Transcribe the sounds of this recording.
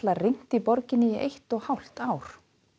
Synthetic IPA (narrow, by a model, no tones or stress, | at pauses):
lariŋ̥t̪ipɔɾcɪnːɪiʔejht̪ɔɣhawl̥t̪aːwɾ̥